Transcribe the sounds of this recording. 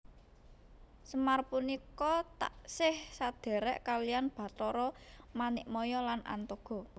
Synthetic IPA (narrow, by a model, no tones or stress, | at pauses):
səmarpunikɔt̪a̰ʔsɪhsad̪̥ɛ̤ɾɛʔkalijanb̥a̤t̪ɔɾɔmanɪʔmɔjɔlana̰nt̪oɡ̥ɔ̤